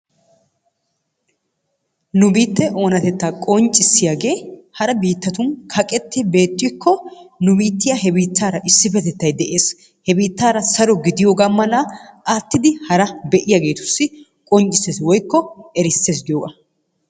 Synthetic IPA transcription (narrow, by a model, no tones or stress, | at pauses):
nʊbiːt̪ːɛʔo̞ːnɐt̪ɛt̪ːaːkʼɔnt͡ʃʼɪsːɪjaːɡe̞ːhɐɾɐbiːt̪ːɐt̪ʊnkʰɐkʼɛt̪ːɪbe̞ːt̪ʼːɪkʰːɔnʊbiːt̪ːɪjahɛbiːt̪ːaːɾɐʔɪsːɪfɛt̪ɛt̪ːɐjd̪ɛʔe̞ːs | hɛbiːt̪ːaːɾɐsɐɾɔɡɪd̪ɪjoːɡɐmːɐnaːʔaːt̪ːɪd̪ɪhɐɾɐbɛʔɪjaːɡe̞ːt̪ʊ̥sːɪ | kʼɔnt͡ʃʼɪsːeːswɔjkːɔɛɾɪsːe̞ːs̬ɡ̪ɪjoːɡɐ̰